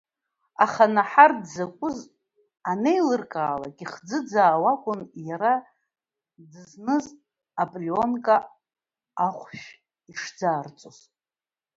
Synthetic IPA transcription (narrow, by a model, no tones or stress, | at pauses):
aχanaħardzakʷʼʊz | anejlɨrkʼaːlakʼiχd͡zɨd͡zaːwakʷʼʊnjaɾa | dɨznɨz | apʼlio̞nkʼa | aχʷʃᶣ | iʂd͡zaːrt͡sʼoz